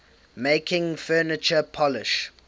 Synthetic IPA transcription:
meɪkʰɪ̃ŋfɜːnɪt͡ʃəpʰɔlɪʃ

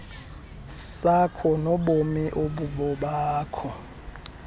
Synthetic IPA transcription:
sakʰɔnɔɓomiʔoɓuɓɔɓaːkʰɔ

